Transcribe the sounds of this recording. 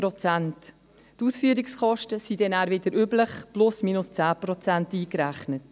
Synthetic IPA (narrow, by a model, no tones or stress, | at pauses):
ɾɔt͡sænt | tuːsfyːəɾikskʰɔʃtəsidɛnæːɾvɪdəɾybləχplʊsmiːnʊst͡sæːpɾɔt͡sæntiːkɾæχnət